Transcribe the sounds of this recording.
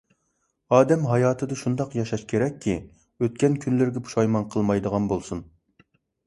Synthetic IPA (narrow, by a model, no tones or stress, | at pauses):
ɑːd̪ɛmɦɑjɑːt̪ʰɨd̪ɨʃund̪ɑqjɑʃɑʃkʲʰeɾɛkʲʰːi | øt̪̚kʲɛnkʲʰynlɪɾɡʲɛpʰu̥ʃɑjmɑnqʰəlˠmɑjd̪əʁɑnbolˠsun